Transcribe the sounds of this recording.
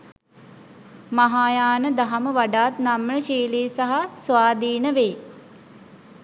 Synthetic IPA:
maɦaːjaːnəd̪aɦaməʋaɖaːt̪namːəʃiːleːsaɦasʋaːd̪iːnəʋeː

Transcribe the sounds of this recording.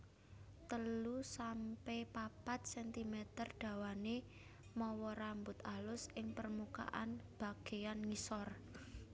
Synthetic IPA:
t̪əlusampɛpapat̪̚sɛnt̪imɛt̪ərɖ̪̥ä̤wane | mɔwɔɾambʊt̪alʊsʔɪŋpərmuka̰ʔa̰nb̥a̤ɡ̥e̤janŋisɔr

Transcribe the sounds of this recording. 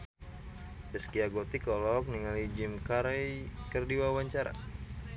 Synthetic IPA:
bəskiaɡot̪ikɔlɔk̚niŋalid͡ʒimkaɾɛjkərdiwawaɲt͡ʃaɾa̰

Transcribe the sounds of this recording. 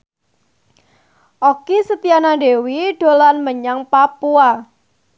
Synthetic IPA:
ʔokisət̪ianaɖewiɖ̥olanməɲaŋpapua

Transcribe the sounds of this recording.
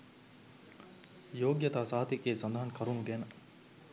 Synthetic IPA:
joːɡjɐt̪aːsaɦɐt̪ikeːsɐnd̪aɦɐnkʰɐɾunuɡenɐ

